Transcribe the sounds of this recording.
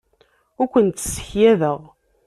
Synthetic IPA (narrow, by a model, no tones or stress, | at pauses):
ʊɾkʷənt̪sə̥çjæðəʁ